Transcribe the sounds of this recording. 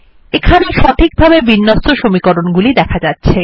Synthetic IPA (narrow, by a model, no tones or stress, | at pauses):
ekʰaneʃɔʈ̪ʰik̚bʱabebinːost̪oʃomikoɾonɡulid̪ɛkʰad͡ʑatːɕʰe